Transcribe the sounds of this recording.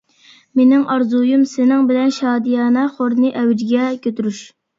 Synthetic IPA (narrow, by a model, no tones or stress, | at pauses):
menɪŋʔɑɾzujumsɪnɪŋbɪlɛnʃɑːd̪ijɑːnɑχoɾnɨʔɛwɪd͡ʒɡʲɛkʲʰøt̪yɾyʃ